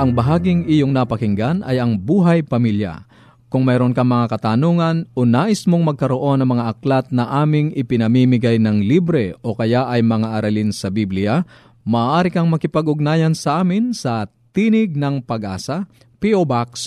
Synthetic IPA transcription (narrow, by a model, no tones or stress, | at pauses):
ʔɐŋbɐɦaːɡɪŋʔijoŋnɐpɐkɪŋɡanɐ̰jɐŋbuːɦɐjpɐmiljɐ̰ | kʊŋmɛːɾonkɐŋmɐŋakɐt̪anoːŋɐnʔonaːʔɪsmoŋmɐɡ̚kɐɾo̞ʔo̞nɐŋmɐŋaʔɐklat̪̚nɐʔaːmɪŋʔɪpɪnɐmimɪɡajnɐŋliːbɾɛʔo̞kɐjaʔɐjmɐŋaʔɐɾɐlinsɐbiblɪa | mɐʔːʔaːɾɪkɐŋmɐkɪpɐɡʊɡ̚naːjɐnsɐʔaːmɪnsɐ | t̪inɪɡ̚nɐŋpɐɡʔa̰ːsɐ | piobaks